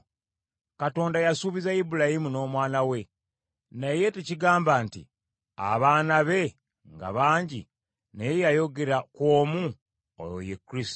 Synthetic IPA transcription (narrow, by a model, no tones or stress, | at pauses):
kato̞ːndajasuːβizaibuɾajimuno̞ːmwaːnawe̞ | naje̞teciɡaːmbaːntḭ | a̰βaːnaβe̞ | ŋɡa̰βaːɲɟḭ | nejjajo̞ɡe̞ɾakwo̞ːmu | o̰jo̰jekːɾisto